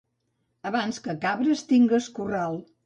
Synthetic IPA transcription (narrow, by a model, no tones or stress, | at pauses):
əβanskəkaβɾəst̪iŋɡəskuralˠ